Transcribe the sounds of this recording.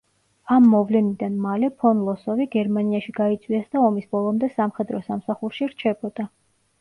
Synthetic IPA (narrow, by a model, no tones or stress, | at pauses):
amːɔvlɛnid̪anmalɛpʰɔnlˠɔsɔviɡɛɾmaniaʃiɡait̪sʰʼwiasd̪aɔmisbɔlˠɔmd̪ɛsamχɛd̪ɾɔsamsaχuɾʃiɾt͡ʃʰɛbɔd̪̥a